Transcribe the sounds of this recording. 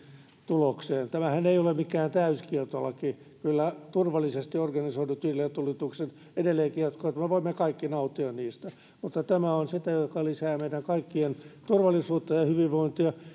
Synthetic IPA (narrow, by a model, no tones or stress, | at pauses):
t̪ulokseːnt̪æmæhæneijolemmikːæːnt̪æyskiert̪olːɑki | kylːæt̪urʋɑlːˑisest̪iorɡɑnisoinut̪ʋiːlːet̪ulit̪uksen | edelːeːŋkirt̪koet̪meʋoimːekɑikːinɑut̪ːiɑnniːst̪æ | mut̪ːɑt̪æmæonsit̪æjokɑlisæːmeiɾæŋkɑikːient̪urʋɑlˑisuːt̪ːɑjɑhyʋiʋʋoint̪iɑ